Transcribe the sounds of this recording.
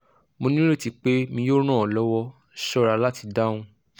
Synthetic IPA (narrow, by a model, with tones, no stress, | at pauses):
mo˧nĩ˦ɾe˦˨ti˧k͡pe˦mĩ˧˦jo˦ɾ̃ã˦˨ɔ˨lɔ˦wɔ˦ | ʃɔ˦ɾa˧la˦ti˧da˦w̃ũ˧